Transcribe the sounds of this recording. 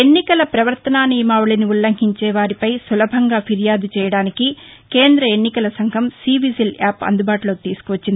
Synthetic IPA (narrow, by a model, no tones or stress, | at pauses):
enːikɐlɐpɾɐʋɐɾt̪ɐnaːnijmaːʋuɭɐniulːɐŋɡiɲt͡ʃɛːʋaːɾipɐjsulɐbʱɐŋɡaːpʰiɾjaːd̪ut͡ʃɛːjɐɽaːniki | ke̞ːnd̪ɾɐe̞nːikɐlɐsɐŋɡʱɐmsiːʋisilaːpɐ̰nd̪ubaːʈulo̞ːt̪iːsu̥kuʋɐt͡ʃːind̪i